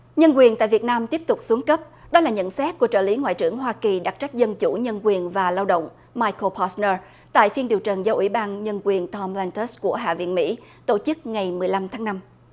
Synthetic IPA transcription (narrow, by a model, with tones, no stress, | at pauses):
ɲə˧nkwi˨˩ənt̪a̰ː˧˨jvi˨˩ət̚naː˧mt̪i˦˥əp̚t̪ʊ˨˩k͡p̚su˨˦ŋkə˦˥p̚ɗɔ˨˦laː˨˩ɲə̰˧˨nsɛ˦˥t̚ku˧˩ət͡ɕə̰ː˧˩li˨˦ŋwa̰ː˧˨jt͡ɕɨ˧˩əŋɦwaː˧ki˨˩ɗa˨˩t̚t͡ɕa˦˥jk̟̚zə˧nt͡ɕu˧˩ɲə˧nkwi˨˩ənvaː˨˩laː˧wɗə̰˧˨wŋ͡m | maː˧jko˧pʰɔ˧˦snəː˧ | t̪a̰ː˧˨jfi˧ənɗi˨˩əwt͡ɕə˨˩nzɔ˨˦ʔwḭ˧˩ɓaː˧nɲə˧nkwi˨˩ənt̪ʰɔ˧mlɛ˧nt̪ə˦˥sku˧˩əɦa̰ː˧˨vḭ˧˨ənmḭ˧˥t̪o˧˩t͡ɕɨ˦˥k̚ŋa˨˩jmɨ˨˩əjla˧mt̪ʰaː˨˦ŋna˧m